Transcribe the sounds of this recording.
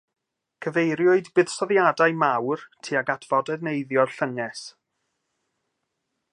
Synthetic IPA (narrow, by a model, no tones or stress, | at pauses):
kʰəvejɾjʊɨdbɨð̥sɔðjadajmawrtʰiːaɡatʰv̥ɔdɛðnejðjɔrɬəŋɛs